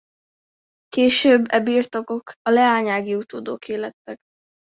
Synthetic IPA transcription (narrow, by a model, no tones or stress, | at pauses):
keːʃøːbːɛbiːrt̪o̞ko̞kɒlɛaːɲaːɡiut̪oːd̪oːkʰeːlɛt̪ːɛk